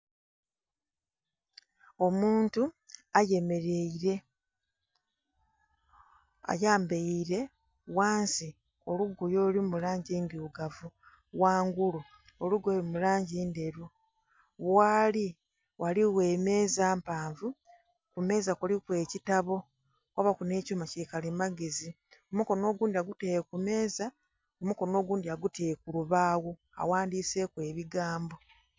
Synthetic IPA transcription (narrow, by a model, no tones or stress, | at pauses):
o̞muːntuaje̞me̞ɾe̞iɾe̞ | a̰jaːmbeiɾe̞ | waːnsi | o̞luɡujo̞ːlimulaːɲɟiːnduːɡavu | ɣwaːŋɡulu | oluɡoimulaːɲɟiːnde̞ɾu | βwaːli | waliwe̞ːme̞ːzaːmpaːɱvu | kume̞ːzakulikwe̞ːcitaβo̞ | kwaβakune̞ːcuːmacikalimaɡezi | omuko̞no̞ːɡuːndiaɡutekume̞ːza | omuko̞no̞ːɡuːndiaɡuteːkuluβaːɣo | a̰waːndiːse̞kwe̞ːβiɡaːmbo̞